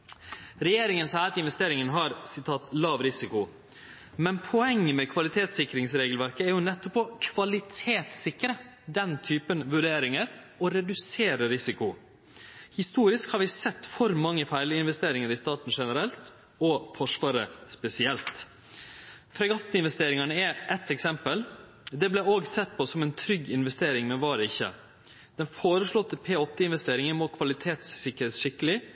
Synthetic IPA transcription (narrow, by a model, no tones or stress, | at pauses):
ɾɛjeːɾɪŋənsæɪɑt̪ɪnʋɛst̪eːɾɪŋənɦɑɾsɪt̪ʰɑːt̪lɑːʋɾɪsɪkʊ | mɛnpʰɔɛŋːəmɛkʰʋɑlɪt̪ʰeːt̪sɪkɾɪŋsɾeːɡəlʋæɾkəæɾjʊnɛt̪ːɔpːɔkʰʋɑlɪt̪ʰeːt̪sɪkɾə | d̪ɛnt̪ʰyːpənʋʉɖeːɾɪŋəɾ | ɔɾɛd̪ʉseːɾəɾɪsɪkʊ | hɪst̪uːɾɪskhɑːɾʋɪsɛt̪ːfɔɾmɑŋːəfæɪlɪɪnʋɛst̪eːɾɪŋəɾɪst̪ɑːʈn̩ʂɛnəɾɛlt̪ | ɔfɔʂʋɑːɾə̰spɛsɪɛlt̪ | fʰɾɛɡɑt̪ːəɪnʋɛst̪eːɾɪŋɑnəɛʔɛt̪ːɛksɛmpəl | d̪ɛblɛoːɡsɛt̪ːpʰɔsɔmɛnt̪ʰɾʏɡːɪnʋɛst̪eːɾɪŋmɛʋɑːɾəɪçːə̰ | d̪̥ɛnfoːɾəslɔt̪ːəpʰeːɔt̪ːɪɪnʋɛst̪eːɾɪŋəɾmɔkʰʋɑlɪt̪ʰeːt̪sːɪkːəɾet̪ʂɪkəlɪ